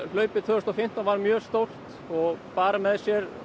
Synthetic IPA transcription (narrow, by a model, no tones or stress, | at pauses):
l̥œːɥpɪt̪ʰœːʏst̪awfɪm̥t̪anvaɾmjœːɣst̪owl̥t̪ | ɔɣpaːɾamɛðsjɛɾ